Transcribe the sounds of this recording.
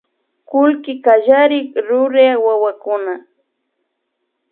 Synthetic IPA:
kʊlkɪkaʒaɾɪkɾʊɾeawawakʊna

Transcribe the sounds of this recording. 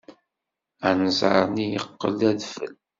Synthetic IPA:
ænəzʕəɾˤnijəqːə̰læðfə̰l

